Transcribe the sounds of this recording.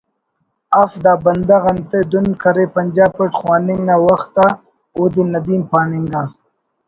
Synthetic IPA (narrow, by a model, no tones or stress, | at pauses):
afd̪aːbɐnd̪aɣɐnt̪ed̪unkɐɾepɐnd͡ʒaːb̚pəʈxwaːninawɐxt̪a | oːd̪inɐd̪iːmpaːniŋɡaː